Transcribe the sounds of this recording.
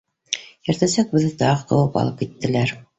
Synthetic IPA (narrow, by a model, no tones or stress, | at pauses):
jɘ̆ɾt̪æsæk̚bɘ̆ðɘt̪ɑʁɤqɤ̆wɤpɑ̰lˠɤp̚kit̪ːɘ̆læɾ